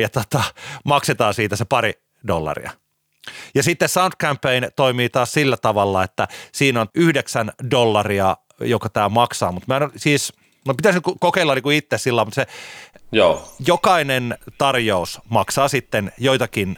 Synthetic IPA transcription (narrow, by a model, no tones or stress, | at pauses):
jɑt̪ot̪ɑmɑkset̪ɑːsiːt̪æsepɑɾi | dolːɑ̰rḭɑ̰ | jɑsit̪ːessɑunt̪̚kæmpːeint̪oimiːt̪ɑːssilːæt̪ɑʋɑlːɑet̪ːæsiːnonyhdeksændolːɑriɑ | jokɑt̪æːmɑksɑ̰ːmut̪mæˑenosiːs | nopit̪æsnkukokeilːɑniːkuit̪ːessilːɑimut̪sejoːjokɑinent̪ɑrjousmɑksɑːsit̪ːenjoit̪ɑkin